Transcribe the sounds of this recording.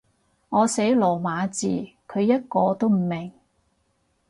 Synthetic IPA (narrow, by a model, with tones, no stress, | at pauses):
ŋɔː˨˧se˨˥jlɔː˨˩maː˨˧t͡sḭː˨kʰɵ˨˧ɥjɐ˥t̚kɔː˧t̪o˥wm̩˨˩mɪ˨˩ŋ